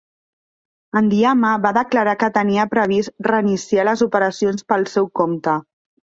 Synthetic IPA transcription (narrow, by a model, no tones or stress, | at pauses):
ənd̪iaməβaðəkləɾakət̪əniəpɾəβ̞isrəinisialəzupəɾəsionspəlˠsɛwkomt̪ə